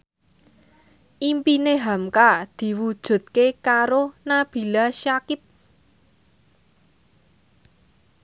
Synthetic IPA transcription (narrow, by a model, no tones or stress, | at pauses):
ʔimpineɦamkad̪̥i̤wud̥ʒ̥ṳt̪̚kekaɾonab̥i̤laʃakɪp̚